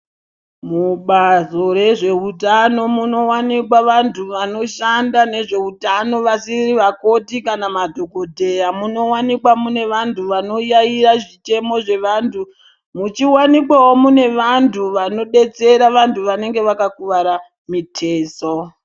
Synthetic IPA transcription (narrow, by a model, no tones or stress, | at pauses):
muɓazo̞re̞ʐe̞utano̞muno̞wanikwaʋantʰuʋano̞ʃandane̞ʐe̞utano̞ʋasiriʋako̞tikanamadʱo̞ko̞dʱe̞jamuno̞wanikwamune̞ʋantuʋano̞jaiɾaʐit͡ʃe̞mo̞ʐe̞ʋantʰu | mut͡ʃiwanikwawo̞mune̞ʋantʰuʋano̞ɗe̞t͡se̞ɾaʋantʰuʋane̞ŋɡe̞ʋakakuʋaɾa | mitʰeːso